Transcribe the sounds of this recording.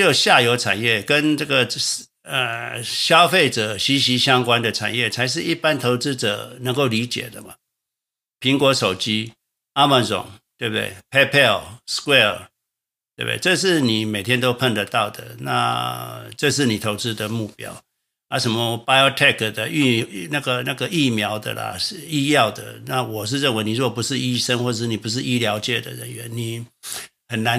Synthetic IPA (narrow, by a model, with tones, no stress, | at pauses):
jo˨˩ɕja˥˩jo˧˥ʊʈ͡ʂʰa̰˨˩njɛ˥˩kə˦nʈ͡ʂɤ˥˩ɡə˩ | ə˨˩ɕjɑ˦ʊfe˥˩ɪʈ͡ʂɤ˨˩ɕi˧˥ɕi˧˥ɕjɑ˥ŋkwa˦nd̪ə˨ʈ͡ʂʰa̰˨˩njɛ˥˩t͡sʰa˧˥ɪʂ̬ɻ̩˥˧i˥˩pa˥nt̪ʰo˧˥ʊt͡sɹ̩˥ʈ͡ʂɤ̰˨˩nə˧˥ŋko˥˩ʊli˧˥t͡ɕjɛ̰˨˩d̪ə̰˦mɐ˨ | pʰi˧˥ŋkwɔ˧˥ʂo˨˩ʊt͡ɕi˥ | a˥mə˥˨nsʊ̰˨˩˦ŋt̪we˥˩t̪wḛ˥˩ɪpʰɛ˥pʰɛ˥˩lskwɛ˥˩ | t̪we˥˩bd̪ḛ˥˧˩ʈ͡ʂɤ˥˧ʂ̬ɻ̩˥˩ni˨˩me˨˩ɪt̪ʰjɛ˥nt̪o˥ʊpʰə˥˩nd̪ə˨t̪ɑ˥˩ʊd̪ə̰˩na̰˥˧ | ʈ͡ʂɤ˥˧ʂ̬ɻ̩˥˩ni˨˩t̪ʰo˧˥ʊt͡sɻ̩˥d̪ə˨mu˥˩pjɑ̰˥ʊ | a˧˥ʂə˧˥nmɔ˧pa˥ɪo˥t̪ʰɛ˥˧kʰə˩d̪ə˨y˥na˥˩ɡə˩na˥˩ɡə˩i˥˩mjɑ˧˥ʊd̪ə̰˨lə̰˨˥˩i˥jɑ˥˩ʊd̪ə̰˨˩na˥˩wɔ˨˩ʂ̬ɻ̩˥˧ɻə˥˩nwe˧˥ɪni˨˩˥pu˧˥ʂɻ̩˥˩i˥ʂə˥ŋxwɔ˥˩˨ʂ̩˥˨ni˨˩pu˧˥ʂ̬ɻ̩˥˩i˥ljɑ˧˥ʊt͡ɕjɛ˥˩d̪ə̰˨ɻə˧˦nɥɛ˧˦nni˨˩˦hə˨˩nna˧˦